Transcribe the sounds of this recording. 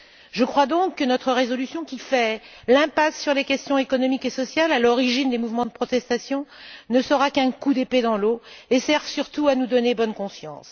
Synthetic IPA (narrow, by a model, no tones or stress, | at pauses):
ʒəkχwad̪ɔ̃kːənɔt̪χəʁezɔlysjɔ̃kʲifɛ | lɛ̃pasːyʁlekʲɛst̪jɔ̃ekɔnɔmikesɔsjalalɔʁiʒind̪emuvmɑ̃d̪əpχɔt̪ɛst̪asjɔ̃nəsəʁakɛ̃kud̪eped̪ɑ̃loesɛʁvsyʁt̪uanud̪ɔnebɔnkɔ̃sjɑ̃s